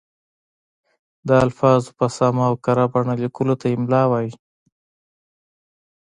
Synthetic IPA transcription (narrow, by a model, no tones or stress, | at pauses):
d̪əalfɑzopasɑmaːwkaɾabaɳalikulot̪ajemlɑwɑji